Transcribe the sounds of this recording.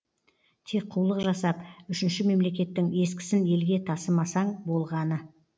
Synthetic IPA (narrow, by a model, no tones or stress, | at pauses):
t̪ʰe̞k̚qʰuwlˠəqʒɑsɑpʏʃɪnʃɪme̞mle̞kʲe̞t̪ːɪŋe̞skʲɪ̥sɪne̞lɡʲe̞t̪ʰɑsəmɑsɑɴbo̞lˠʁɑnə